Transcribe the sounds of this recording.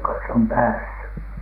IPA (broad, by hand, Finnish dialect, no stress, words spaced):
kɑns om pæːsːy